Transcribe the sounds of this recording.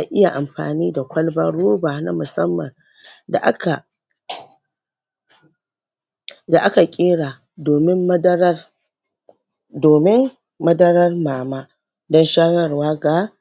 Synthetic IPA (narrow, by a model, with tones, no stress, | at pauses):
ʔa˨ʔɪ˦ja˨ʔa˨mɸa̰ː˨niː˦da˨kʷɐ˦lbɐ˦ɽoː˦baː˨na̰˦mʊ˨sɐ˦mːɐ̰˨n | da̰˨ʔa˦ka˨ | da˨ʔa˦ka˨kʲʼɪː˦ɽaː˨ | doː˨mɪ˦mːɐ˦dɐ˦ɾɐ˦r | doː˨mɪ˦ŋ | mɐ˦dɐ˦ɾɐ˦rmaː˨maː˦ | dɔ˦nʃaː˦jɐ˦rwaː˦ɡa˨